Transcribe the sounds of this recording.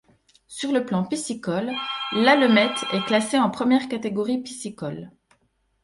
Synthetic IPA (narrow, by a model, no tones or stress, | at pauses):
syʁləplɑ̃pisikɔlːalɔmɛt̪ʰɛklaseɑ̃pχəmjɛʁkat̪eɡɔʁipisikɔl